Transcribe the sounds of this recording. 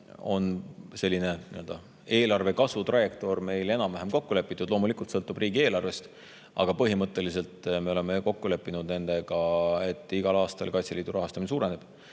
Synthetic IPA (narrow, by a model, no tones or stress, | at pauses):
o̞nse̞lːine̞nyøld̪̥ɑ | e̞ːlɑrve̞kɑsut̪rɑje̞kt̪o̞rme̞jle̞nɑmːæɦemko̞kːule̞pːˑit̪ːˑud̪lo̞ːmulikult̪sɤ̞lt̪ːˑubriːɡie̞ːlɑrve̞st̪ | ʔɑ̰ɡ̥ɑpɤɦimɤt̪ːˑe̞lis̬e̞lt̪ˑme̞o̞le̞me̞ko̞kːule̞pːinud̪ne̞nd̪̥e̞ɡ̥ɑe̞t̪ˑːiɡ̥ɑlɑːst̪ɑ̰lkɑjt̪sʲeliːd̪uɾʔɑɦɑst̪ɑminesuːɾe̞ne̞b̥